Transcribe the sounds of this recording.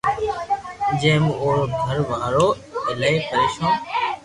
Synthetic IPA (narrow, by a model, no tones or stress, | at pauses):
d͡ʒẽːmoːɾoːɡʱəɾʋaːɾoː | ɪlaeːkəɾeːʃõː